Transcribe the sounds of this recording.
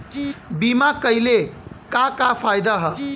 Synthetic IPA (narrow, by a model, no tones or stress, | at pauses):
bimakəjlekakapʰajd̪aɦə